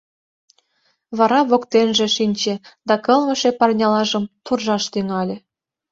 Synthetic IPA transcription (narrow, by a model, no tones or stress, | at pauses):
βɑɾɑβokt̪enʒĕʃinʲt͡ɕĕd̪ɑkə̆lmə̆ʃepɑrnʲɑlɑʒəmt̪urʒɑʃt̪yŋɑlʲĕ